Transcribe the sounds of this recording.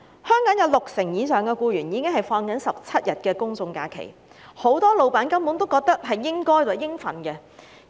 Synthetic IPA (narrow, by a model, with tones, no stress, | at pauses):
hœː˥ŋkɔː˨˥njɐ˨˧wlʊ˨k̚sɪ˨˩ŋjiː˨˧sœː˨˩ŋkɛː˧kuː˧ɥyː˨˩njiː˨˥kɪ˥ŋɦɐ˨jfɔː˧ŋkɐ˨˥nsɐ˨p̚t͡sʰɐ˥t̚jɐ˨t̚kɛː˧kʊ˥ŋt͡sʊ˧ŋkaː˧kʰḛ˨˩j | ho˨˥wt̪ɔː˥lo˨wpaː˨˥nkɐ˥mpuː˨˥ŋt̪o˥wkɔː˧k̚t̪ɐ˥k̚ɦɐ˨jːɪ˥ŋkɔː˥jt͡so˨˩jɪ˥ŋfɐ̰˨˩nkɛ˧